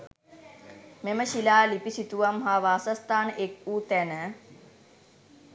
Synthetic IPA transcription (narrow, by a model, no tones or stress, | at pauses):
meməɕilaːlipisit̪uʋɐmɦaːʋaːsɐst̪aːnekuːt̪ɛnə